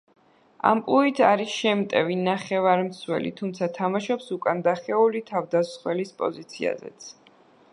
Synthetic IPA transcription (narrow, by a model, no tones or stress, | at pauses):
a̰mpʼluit̪ʰaɾisʃɛmt̪ʼɛvinaχɛvaɾmt̪sʰwɛ̰lḭt̪ʰumt̪sʰat̪ʰamaʃɔpsukʼand̪aχɛulit̪ʰavd̪asχwɛlispʼɔ̰zit̪sʰia̰zɛ̰t̪sʰ